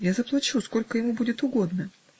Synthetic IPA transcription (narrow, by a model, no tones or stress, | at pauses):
jazəplˠɐt͡ɕusko̞lʲkəjɪmubudʲɪt̪ʊɡo̞d̪nə